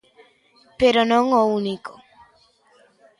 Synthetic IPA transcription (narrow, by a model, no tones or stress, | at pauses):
peɾonoŋouniko